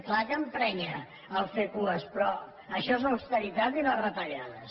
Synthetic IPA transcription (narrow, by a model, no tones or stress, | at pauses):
klakəmpɾɛɲəː | lˠfekuəspɾɔ | əʃɔezləwst̪əɾit̪at̪inarət̪əʎaðə